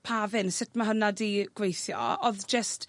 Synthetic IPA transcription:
pʰaːvɨnsɪtmaɦənadiɡ̥wejθjɔ̰ɔðd͡ʒəst

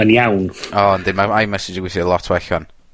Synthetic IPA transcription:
aniawnɔndɪmamajmɛsɪd͡ʒəɡwɪsɪəlˠɔtʰwɛɬɔn

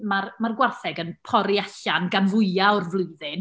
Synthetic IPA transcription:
marmarɡwarθɛɡənpʰɔɾiaɬanɡanvʊɨaʊrvlˠʊɨðɪn

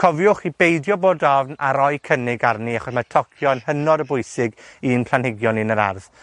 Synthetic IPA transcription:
kʰɔvjʊχibejdjɔboːdɔvnaɾɔjkʰənɪɡarniaχɔsmatʰɔkʰjɔnhənɔɾəbʊjsɪɡinpʰl̥ˠanhɪɡjɔninəɾa̰rð

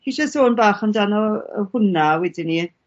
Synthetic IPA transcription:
hiʃastoːnbaːχəmdanɔə̰hʊnawɛdini

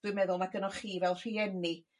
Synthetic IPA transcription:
wɪɨmɛðʊlˠnaɡənɔχiːvɛlˠr̥iɛni

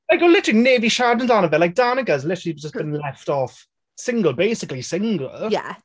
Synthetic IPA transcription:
laɪkəlɪtəɹ̩ineːviʃaːdⁿn̩zanəvɛlaɪk̚d̥aːnəɡəzlɪtəɹəliwd͡ʒəsɡ̥əñlɛftɔf | sɪ̃ŋɡəlˠbeɪsɪklisɪ̃ŋɡə̰lˠja̰

